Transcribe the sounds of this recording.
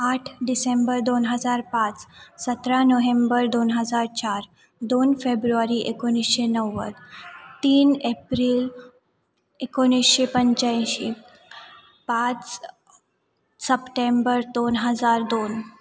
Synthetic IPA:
aʈʰɖisembəɾd̪onɦəd͡zaɾpat͡ssət̪ɾanəɦembəɾd̪onɦəd͡zaɾt͡ɕaɾ | d̪onfebɾuaɾiʔekonisɕenəʋːə̰ɾt̪iːnepɾiːl | ekonisɕepəɲt͡ɕãjɕi | pat͡s | səpʈembəɾd̪onɦəd͡zaɾd̪on

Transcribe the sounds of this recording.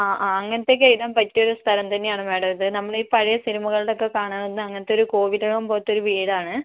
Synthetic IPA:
aːʔaːɐŋːɐnɐt̪ːe̞kːɐjiʈːaːmpɐtːijo̞ɾust̪ʰɐɾɐmt̪ɐnːe̞jaːɳɨʋeːɽɐmɐðɨnɐmːɐɭiːpɐɻɐjɐsiɾumɐɣɐɭɽeokːe̞kaːɳaːnonːɨɐŋːɐnɐt̪ːeɾuko̞ːʋiɾɐkɐmpoːt̪ːo̞ɾuʋiːɽaːɳɨ

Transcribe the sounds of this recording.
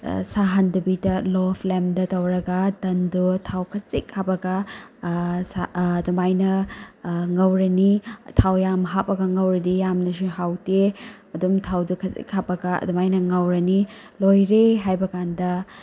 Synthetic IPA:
saɦɐndubidɐlopʰlemdɐtɐwɾɐɡɐdɐndutʰawkʰɐsikhapɐɡɐ | sadumajnɐ | ŋɐwɾɐnitʰawjamɦapːɐɡɐŋɐwɾɐdijamnɐsuhawte | ɐdumtʰawdukʰɐsḭk̚hapɐɡɐɐ̰dumajnɐŋɐwɾɐni | lojɾeɦajbɐkandɐ

